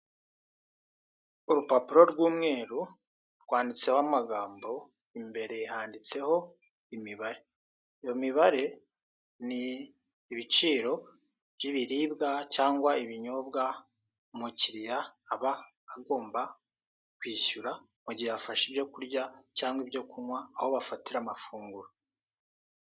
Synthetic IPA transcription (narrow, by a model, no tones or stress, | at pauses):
uɾupapuɾo̞ɾɡwuːmŋe̞ːɾu | ɾɡwaːndit͡se̞hoamaɡaːmbo̞ | imbe̞ɾe̞haːndit͡se̞ho̞ | imiβaɾe̞ | ijo̞miβaɾe̞ | niː | βit͡ʃiːɾo̞ | bjiβiɾiːbɡacaːŋɡwaiβiɲobɡa | muciɾijaːβaː | ɡo̞ːmba | kwiːʃuɾa | muɟiafaʃibjo̞kuɾɟacaːŋɡwibjo̞kumwaːho̞βafatiɾaːmafuːŋɡuɾo